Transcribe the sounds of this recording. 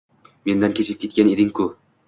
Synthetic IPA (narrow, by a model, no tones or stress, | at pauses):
me̞nd̪ankʲʰe̞t͡ʃʰɪp̚kʲʰe̞t̪̚kʲane̞d̪ɪŋkʰʊ